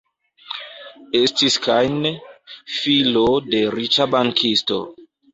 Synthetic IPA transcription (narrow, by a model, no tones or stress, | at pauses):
estiskʰajnefilode̞ɾit͡ʃabaŋkʰisto̰